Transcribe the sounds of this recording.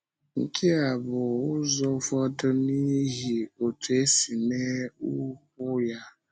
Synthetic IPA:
ŋ̩˨kʰi˦a˨bʊ˨ʊ˦zɔ˦fɔ˦dʊ˦ni˦ɦi˨o˨tu˨e˦si˨ne˦ʊ˦kʊ˦ja˦

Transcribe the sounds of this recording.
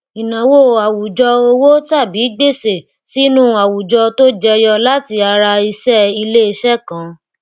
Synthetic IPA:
i˨nã˨wo˦˨a˨wu˨d͡ʒɔ˧o˧wo˦ta˦˨bi˨˦ɡ͡be˦˨se˨ | si˦nũ˦a˨wu˨d͡ʒɔ˧to˦d͡ʒɛ˧jɔ˧la˦ti˧a˧ɾa˧i˧sɛ˦i˧le˦i˧ʃɛ˦˨kã˨˦

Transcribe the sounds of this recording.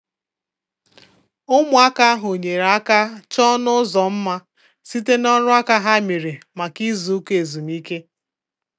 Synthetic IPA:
ʊ˦mʊ˨a˦ka˦ɦo˨ɲe˨ɾa˦ka˦t͡ʃɔ˦nʊ˦zɔ˨m̩˦ma˦ | si˦te˦nɔ˦ɾʊ˦a˦ka˦ɦa˦mi˨ɾi˨ma˨ki˦zu˨u˦ke˨e˨zu˨m˦i˦ke˦

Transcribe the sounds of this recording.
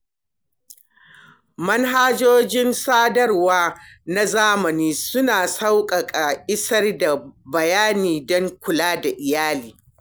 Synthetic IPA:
mɐ˦nɦaː˦d͡ʒoː˦d͡ʒɪ˦nsaː˦dɐ˦rwaː˦na˦zaː˦mɐ˨niː˦sʊ˦naː˨sa˦wkʼɐ˨kʼa˨ʔʼɪ˦sɐ˦rda˨bɐ˨jaː˦niː˨dɔ˦ŋkʷʊ˨laː˦da˨ʔɪ˨jaː˦liː˨

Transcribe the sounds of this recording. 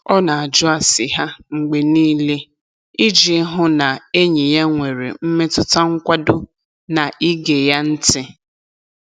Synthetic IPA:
ɔ˦na˨a˨d͡ʒʊ˦a˨sɪ˨ɦa˦ŋ͡m̩˨ɡ͡be˨niː˦le˦ | i˦d͡ʒi˨˦ɦʊ˦na˨e˦ɲi˨ja˦ŋʷe˨ɾḛ˨m̩˦me˦tʊ˦ta˦ŋ̩˦kʷa˦dʊ˦ | na˨ʔi˦ɡe˨ja˦n̩˦tɪ˦

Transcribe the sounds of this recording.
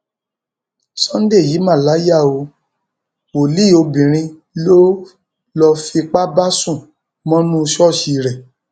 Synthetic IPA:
sɔ̃˦n̩˦de˦˨ji˨˦mã˦˨la˨˦ja˦˨o˧ | wo˨li˦˨o˧bĩ˨ɾ̃ĩ˧ | lo˦ | lɔ˧fi˧k͡pa˦ba˦sũ˦˨ | mɔ̃˦nũ˦˧ʃɔ˦˨ʃi˧˨ɾɛ˨

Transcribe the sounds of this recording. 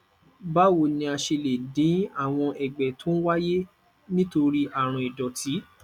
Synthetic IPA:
ba˦wo˨nĩ˧a˧ʃe˧le˨dĩ˨˦a˦˨w̃ɔ̃˧ʔɛ˨ɡ͡bɛ˨tũ˨˦wa˦je˦ | nĩ˦to˧ɾi˦ʔa˦˨ɾ̃ɔ̃˧i˨dɔ˨ti˨˦

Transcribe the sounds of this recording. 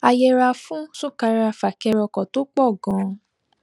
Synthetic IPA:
a˧jɛ˧ɾa˧fũ˦su˦˨ka˧ɾa˧fa˨kɛ˧ɾɔ˧kɔ̃˨to˦k͡pɔ˦˨ɡɔ̃˨˧˦

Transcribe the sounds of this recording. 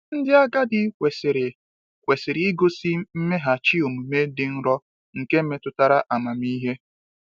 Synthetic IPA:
n̩˦dɪ˦a˦ɡa˦dɪ˦kʷe˨sɾ | kʷe˨sɪ˨ɾɪ˨i˦ɡo˦si˦m̩˦me˦ɦa˨t͡ʃi˦o˨mu˨me˦dɪ˨n̩˦ɾɔ˦ | ŋ̩˨ke˦m̩˦me˦tʊ˦ta˦ɾa˦ʔa˨ma˨mi˦ɦe˦

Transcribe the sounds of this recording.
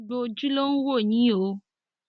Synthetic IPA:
ɖo˦d͡ʒu˦lo˦ŋ̩˦wo˦˨ɲĩ˦o˨˦

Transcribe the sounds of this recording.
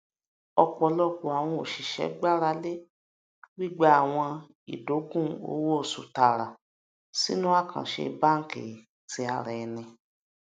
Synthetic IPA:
ɔ˧k͡pɔ˧lɔ˦k͡po˨a˨w̃ɔ̃˧o˨ʃi˨ʃɛ̰˨˦ɡ͡ba˦ɾa˧le˦ | wi˦˨ɡ͡ba˦a˦˨w̃ɔ̃˧ | ḭ˨do˨˦ɡũ˦o̰˨˦wo˦o˦˨su˨ta˨ɾa˨ | sḭ˦nũ˦a˦˨kʰã̰˨ʃḛ˧ba˦ŋ̩˦kḛ˨ | ti˧˦a˧ɾɛ˨˧nɛ̃˧

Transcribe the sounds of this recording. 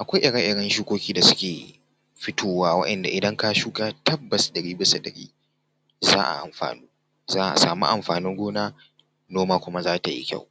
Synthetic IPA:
ʔa˨kʷa˦jʔɪ˨ɽa˦ʔɪ˨ɽɐ˦nʃuː˦kʷoː˦kʲiː˦da˨sʊ̥˦kʲeː˨ | ɸɪ˦tʰoː˦waː˦wɐ̰˦ʔɐ˨nda̰˨ʔɪ˨dɐ˦ŋka˦ʃuː˦ka˦tɐ˦bːɐ˨sdɐ˨ɾiː˦bɪ˦sa˨dɐ̰˨ɾḭː˦ | za̰ː˦ʔa̰˨ʔa̰˨mɸa̰ː˨nuː˦ | zaː˦ʔa̰˨sa̰ː˨mṵ˦ʔa˨mɸaː˨nɪ˦ŋɡʷoː˦naː˦ | noː˦maː˦kʷʊ˦ma˦zaː˦ta˨jḭ˦kʲa̰˦˨w

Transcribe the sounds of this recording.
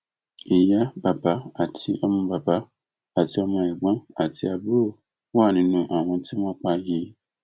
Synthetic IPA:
i˨ja˦ba˨ba˨˦a˨tʰi˧ɔ˧mɔ̃˧ba˨ba˨˦ | a˦˨ti˧˦ɔ˧mɔ̃˧ɛ˨ɡ͡bã˨˦a̰˨ti˧a˨bu˦˨ | wa˦˨nĩ˨˦nũ˧ʔa˨w̃ɔ̃˧ti˦mɔ̃˦k͡pa˧ji˧

